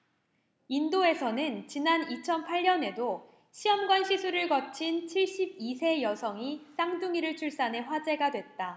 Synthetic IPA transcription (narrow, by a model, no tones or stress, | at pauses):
indoe̞sʰʌnɯnt͡ɕinanit͡ɕʰʌnpʰaʎːʌne̞do | ɕʰiʌmɡwanɕʰisʰuɾɯɭkʌt͡ɕʰint͡ɕʰiɭɕ͈ib̚isʰe̞jʌsʰʌŋis͈aŋduŋiɾɯɭt͡ɕʰuɭs͈ane̞ɸwad͡ʑe̞ɡadwe̞t̚t͈a